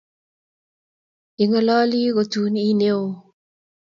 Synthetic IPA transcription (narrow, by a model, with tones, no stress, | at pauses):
i˨ŋɔ˦lɔ˦li˦ɣo˨tu˨˦ni˦ne˦o˨